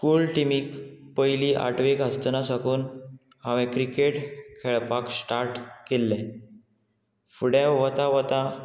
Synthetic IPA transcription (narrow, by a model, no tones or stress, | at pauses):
skuːlʈimiːkpəjliːʔa̰ʈʋekɦəst̪nasakuːn | ɦãʋɛ̃kɾikeʈkʰeɭpaksʈaɾʈkelːɛ̃ | fuɽãʋət̪aʋət̪ã